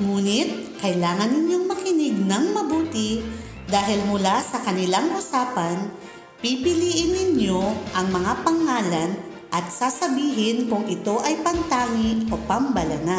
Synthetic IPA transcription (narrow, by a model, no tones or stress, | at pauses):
ŋuːnɪt̪̚kɐjlaːŋɐnːɪɲjo̞ŋmɐkɪnɪɡ̚nɐŋmɐbuːt̪ɪ | d̪aːɦɪlmʊlasɐkɐnɪlaŋʔʊsaːpɐn | pipɪliːʔɪnːɪɲjo̞ʔɐŋmɐŋapɐŋːaːlɐn | ʔɐt̪̚sasɐbiːɦɪnkʊŋʔɪt̪o̞ʔɐjpɐnt̪aːŋɪʔʔo̞pɐmbɐlɐna